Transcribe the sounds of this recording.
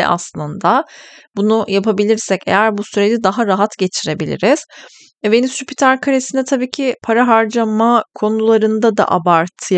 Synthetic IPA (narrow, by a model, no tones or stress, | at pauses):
ʔa̰slˠɯnd̪abunujapʰabilʲiɾsɛce̞̰jæɾbusyɾe̞d͡ʒid̪aɦaɾaɦat̪ɟe̞t͡ʃʰiɾe̞bilʲḭɾiz̥ | venisypit̪ʰaɾkʰaɾe̞sinɛt̪ʰabiːcʰipʰaɾaɦaɾd͡ʒamakʰo̞nulˠaɾɯnd̪ad̪a̰ʔabaɾt̪ʰɯj